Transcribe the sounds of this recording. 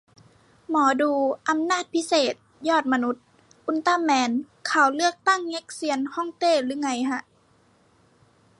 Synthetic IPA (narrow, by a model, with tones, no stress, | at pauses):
mɔː˩˦duː˧ʔa˧˦mnaː˥˩t̪̚pʰi˦˥seː˨˩t̪̚jɔː˥˩t̪̚ma˧nu˧˦˥t̪̚ | ʔu˧˦nt̪aː˧˥˨mːɛː˧˦n | kʰa˨˩wlɯ˥˩ək̚t̪a˥˩˨ŋːe˧˦˥k̚si˧˦ənhɔ˥˩˨ŋt̪eː˧˥˩lɯː˨˧˦ŋa˧˩jɦa˧ʔ